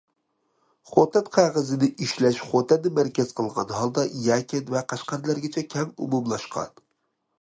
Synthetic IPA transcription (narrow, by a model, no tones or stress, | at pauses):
χot̪ʰɛnqʰɑʁəzɪnɪiʃlɛʃχot̪ʰɛnd̪ɪmæɾkʲɛz̥qʰəlˠʁɑnɦɑlˠd̪ɑjæːkʲɪnvɛqæʃqɑɾlæɾɡʲɪt͡ʃʰɛkʲʰɛŋṵmumlˠɑʃqʰɑ̰n